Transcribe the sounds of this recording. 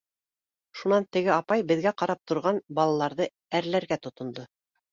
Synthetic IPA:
ʃunɑnt̪ɘ̆ɡɘɑpɑjbɘ̆ðɡæqɑɾɑp̚t̪ŏɾʁɑnbɑlˠɑlˠɑɾðɤ | æɾlæɾɡæt̪ŏt̪ŏnd̪ɤ

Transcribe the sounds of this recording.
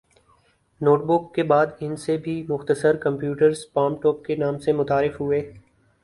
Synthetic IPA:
noːʈbʊkːebaːd̪ɪnsebʱimʊxt̪əsəɾkɐ̃mpjuːʈəɾz̥paːmʈɔːp̚kenaːmsemʊt̪aːɾɪfɦʊeː

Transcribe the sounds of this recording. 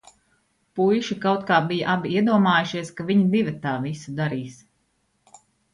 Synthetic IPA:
pujʃikawt̪̚kaːbijaʔabiiɛd̪uɔmaːjuʃiɛskaviɲibivɐt̪aːvisud̪aɾiːs

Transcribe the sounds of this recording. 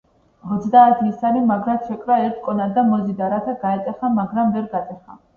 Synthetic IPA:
ɔt̪sʰd̪aːt̪ʰiːsaɾimaɡɾat̪sʰɛkʼɾaɛɾt̪ʰkʼɔnad̪amɔzid̪aɾat̪ʰaɡaɛt̪ʼɛχamaɡɾamvɛɾɡat̪sʼɛχa̰

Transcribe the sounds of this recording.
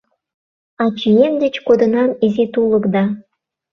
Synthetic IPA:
ɑt͡ɕijend̪ɘ̆t͡ɕkod̪ɤ̆nɑnizet̪ulɤ̆kd̪ɑ

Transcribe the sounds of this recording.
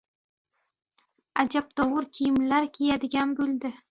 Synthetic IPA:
ad͡ʒap̚t̪ʰɒwʊɾkʲʰijɪmlaɾkʲʰejad̪ɪɡʲanbɵld̪ɪ

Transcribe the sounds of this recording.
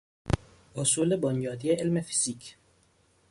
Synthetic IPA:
ʔʊsuːlebɔnjɒːd̪ijeʔelmefi̥z̥ik

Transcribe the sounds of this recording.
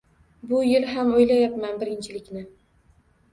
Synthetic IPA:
bʊjɪlɦamojlajapmanbɪɾɪnt͡ʃʰɪlɪkʲnɪ

